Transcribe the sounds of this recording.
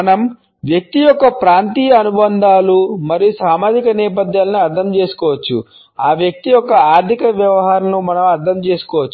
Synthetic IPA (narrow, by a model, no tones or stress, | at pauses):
ɐnɐm | ʋjɐk̚t̪ijɔkːɐpɾaːnt̪iːjɐɐnubɐnd̪aːlumɐɾijusaːmaːd͡ʒikɐnɛːp̬ɐd̪jaːlɐniɐɾd̪ʰʱɐmt͡ʃe̞ːsu̥kɔːʋɐt͡ʃːṵ | aːʋjɐk̚t̪ijɔkːɐaːɾt̪ʰikɐʋjɐʋɐɦaːɾɐmnumɐnɐmɐɾd̪ʰʱɐmt͡ʃe̞ːsu̥kɔːʋɐt͡ʃːu